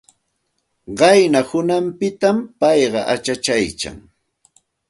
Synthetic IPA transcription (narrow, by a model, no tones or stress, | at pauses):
ɢɑjnahʊnampɪt̪ampɑjɢɑʔat͡ʃat͡ʃajt͡ʃa̰ŋ